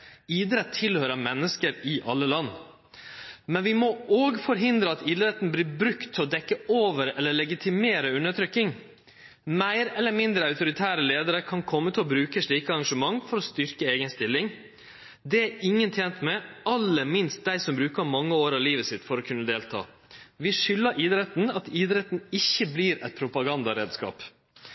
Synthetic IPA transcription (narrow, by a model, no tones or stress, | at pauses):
iːd̪ɾɛt̪ʰːɪlhøːɾəmɛnːəskəɾɪʔɑlːəlɑnː | mɛnʋɪmooːɡfɔɾɦɪnd̪ɾəɑt̪iːd̪ɾɛt̪ːnbliːɾbɾʉkt̪ʰːɪɔd̪ɛkːəoːʋəɾɛlːəɭɛɡɪt̪ʰɪmeːɾəʉnəʈʰɾʏkːɪŋ | mæɪɾɛlːəɾmɪnd̪ɾəɑʉt̪ʊɾɪt̪ʰæːɾəleːd̪əɾəkʰɑnkʰɔmːət̪ʰɪlɔbɾʉːkəʂɭiːkəɑɾɑŋʂəmɑŋfɔɾɔst̪ʏɾkəeːɡənst̪ɪlːɪŋ | d̪ɛæɪŋːənt̪ʰjeːnt̪mɛɑlːəmɪnst̪̚d̪æɪsɔmbɾʉːkəɾmɑŋːəoːɾɑʋliːʋəsɪt̪fɔɾɔkʰʉnːəd̪eːlt̪ʰɑ̰ː | ʋɪʂʏlːəɾʔɪd̪ɾɛt̪n̩ɑt̪ɪːd̪ɾɛt̪nɪçːəbliːɾɛ̰t̪̚pʰɾʊpɑɡɑnd̪ɑɾḛːd̪skɑ̰ːp